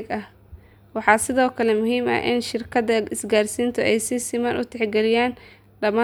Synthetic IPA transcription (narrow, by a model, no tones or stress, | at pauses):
ɡɐh | wɑħɑːsɪðɔːkʰɐlɛmʊɦiːmɐ̰ʔʔɪ̰nʃɪrkʰɐdɐɪsɡaːrsiːnt̪ʰɔʔɛjsɪsɪmɐnʔʊt̪ʰɛħɡɛlɪjaːn | ɖɐmaː